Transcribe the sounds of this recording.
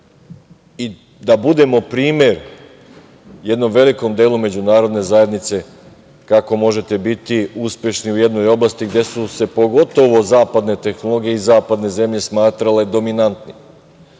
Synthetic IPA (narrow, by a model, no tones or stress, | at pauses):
i | d̪abud̪e̞mo̞pɾiːmje̞ɾ | je̞d̪no̞mʋe̞liko̞md̪eːlume̞d͡ʑunaːɾo̞d̪ne̞zaje̞d̪nit̪se̞ | kako̞mo̞ʒe̞t̪e̞bit̪iuspje̞ʃniuje̞d̪no̞jo̞blˠast̪iɡd̪e̞suse̞po̞ɡo̞t̪o̞ʋo̞zaːpad̪ne̞t̪e̞xnolˠo̞ɡije̞izaːpad̪ne̞ze̞mʎe̞smaːt̪ɾale̞d̪o̞minant̪ni